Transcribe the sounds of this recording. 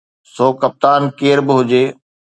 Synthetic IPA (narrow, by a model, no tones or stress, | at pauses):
soːkɐp̚t̪aːnkeːɾbɪɦʊd͡ʑeː